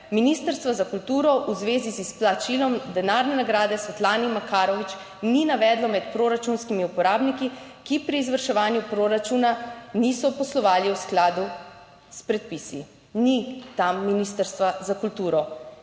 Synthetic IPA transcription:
minist̪əɾst̪ʋazakult̪uːɾɔʔuzʋeːzisisplat͡ʃilɔmd̪ɛnaːɾnɛnaɡɾaːd̪ɛsʋɛt̪laːnimakaːɾɔʋit͡ʃ | ninaʋɛːd̪lɔmɛt̪pɾoːɾat͡ʃunskimiupɔɾaːbniki | kipɾiːzʋəɾʃɛʋaːnjupɾoɾat͡ʃunanisɔpɔslɔʋaːliwsklaːd̪u | spɾɛt̪̚pisḭ | nit̪amːinist̪əɾst̪ʋazakult̪uːɾɔ

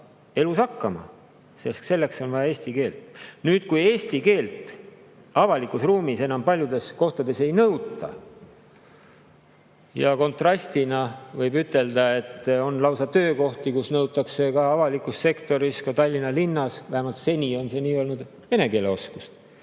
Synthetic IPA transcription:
e̞lusɑkːɑmɑ̰ | se̞st̪se̞lːe̞kso̞nvɑjɑe̞ːsʲt̪ike̞ːlt̪ˑnyːt̪kuje̞ːst̪ike̞ːlt̪ˑ | ɑvɑlikˑusruːmise̞nɑmpɑlʲjud̪̥e̞sko̞ht̪ɑd̪̥e̞se̞jnɤwt̪ːˑɑ̰ | jɑko̞nt̪rɑsʲt̪inɑvɤjbyt̪ˑːe̞ld̪ɑe̞t̪ːˑo̞nlɑwsɑt̪ø̞ːko̞ht̪ikusnɤut̪ːˑɑkse̞kɑɑvɑlikˑusːe̞kt̪o̞ɾiskɑt̪ɑlʲːinɑlinːɑsvæhemɑlt̪se̞nʲio̞nse̞niːo̞lnud̪̥ | ve̞ne̞ke̞le̞o̞skust̪

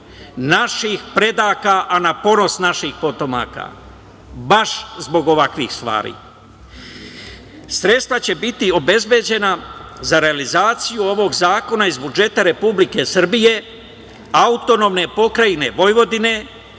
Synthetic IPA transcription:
naʃixpɾe̞d̪aːkaʔanapo̞no̞snaʃixpo̞t̪o̞ma̰ːka̰ | baʃzbo̞ɡo̞ʋakʋixst̪ʋa̰ːɾḭː | sɾe̞t̪st̪ʋat͡ɕe̞bit̪io̞be̞zbje̞d͡ʑe̞nazaɾe̞alizaːt̪sijuo̞ʋo̞ɡzaːko̞naizbud͡ʒe̞t̪aɾe̞publike̞sr̩bije̞ | aut̪o̞no̞ːmne̞po̞kɾajine̞ʋo̞jʋo̞d̪ine̞

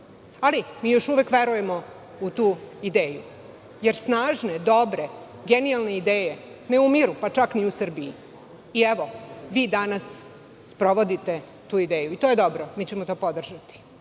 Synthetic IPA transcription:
alimiːjo̞ʃuʋe̞kʋe̞ɾuje̞mo | ut̪uːid̪eːju | jeɾsnaːʒne̞d̪o̞bɾe̞ | ɡenialne̞id̪eːje | neumiɾupat͡ʂakniusr̩biiː | ɛʋoʋiːd̪anasː | pɾo̞ʋo̞d̪it̪e̞ | t̪uːid̪eːjuit̪oje̞d̪o̞bɾomiːt͡ɕemot̪o̞ːpod̪r̩ʒat̪i̥

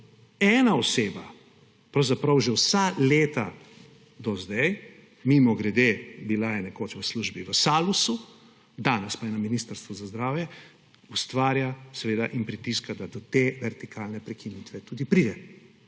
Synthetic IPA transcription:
ɛːnaɔseːba | pɾɐwzapɾɐwʒɛwsaleːt̪a | d̪ɔzd̪ɛj | mimɔɡɾɛd̪ebilajɛnɛkoːt͡ʃʋəsluʒbiʋəsaːlusu | d̪aːnɛspaɛnɔminist̪əɾst̪ʋɔzazd̪ɾaːwjɛ | ust̪ʋaːɾjasɛʋeːd̪aʔinpɾit̪iskad̪ad̪ɔt̪eʋɛɾt̪ikʰalnɛpɾɛkinit̪ʋɛt̪uːd̪ipɾiːd̪ɛ

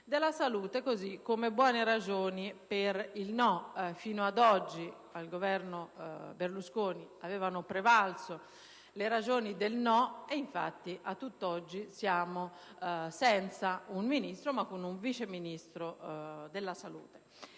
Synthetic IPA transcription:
d̪elasaluːt̪ekozikːomebwɔːneɾad͡ʒoːnipeɾilnɔfiːnoad̪ɔd͡ʒːi | alɡovɛɾnoberluskoːniavɛːvanopɾevalt̪so | leɾad͡ʒoːnid̪elnɔeiɱfa̰t̪ːiʔat̪ːut̪ːɔd͡ʒːisjaːmo | sɛnt̪sauɱminist̪ɾomakːunuɱvit͡ʃeminist̪ɾod̪elːasalṵːt̪e̥

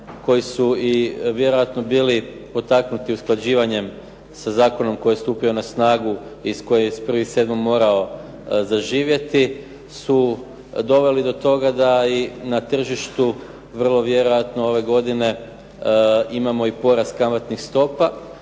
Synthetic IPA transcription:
ko̞jisuiʋje̞ɾo̞jat̪no̞biːli | po̞t̪aknut̪iusklˠad͡ʑiːʋaɲe̞m | sazaːko̞no̞mko̞jest̪uːpio̞nasnaːɡuisko̞jespr̩ʋixse̞d̪momːo̞ːɾao̞ | zaʒiːʋje̞t̪i | su | d̪o̞ʋe̞lid̪o̞t̪o̞ɡad̪ainat̪r̩ʒiʃt̪u | ʋər̩lˠo̞ʋje̞ɾo̞jat̪noo̞ʋe̞ɡo̞d̪ine̞ | imamo̞ipo̞ɾaskamat̪nixst̪o̞pa

